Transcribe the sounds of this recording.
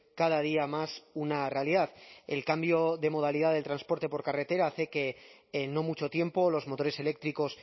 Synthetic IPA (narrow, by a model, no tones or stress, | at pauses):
kaðað̞iamasunare̞aliðaðelkambjo̞ðe̞mo̞ð̞alið̞aðe̞lt̪ɾanspo̞ɾt̪e̞po̞ɾkare̞t̪e̞ɾaθeke̞ː | nːo̞mut͡ʃo̞t̪je̞mpo̞lo̞zmo̞t̪o̞ɾese̞lek̚t̪ɾiko̞s